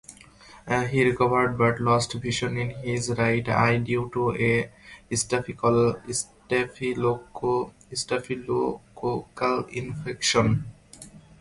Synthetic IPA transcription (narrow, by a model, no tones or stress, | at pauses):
ɦiɾikʌʋəɾɖ̚baʈlɔsʈviʃõninɦizɾaɪʈa̰jɖjuːʈueisʈefikalsʈefiloko | isʈefilokokalĩnfekʃɔn